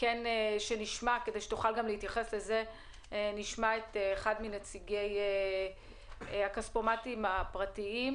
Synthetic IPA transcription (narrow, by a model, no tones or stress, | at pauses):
keneʃeniʃmake̞dejʃe̥tuχalɡamlehit̪jaχe̞sle̞ze̞ | niʃmaetːχadminet͡siɡe̞je | akaspomatimapʁatiim